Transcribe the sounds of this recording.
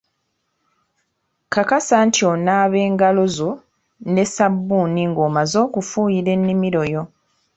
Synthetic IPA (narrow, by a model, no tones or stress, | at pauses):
kakasantionaːβe̞ːŋɡalo̞zo̞ | ne̞sabːuːniŋɡoːmazo̞ːkufuːjiɾe̞nːimiɾo̞jo̞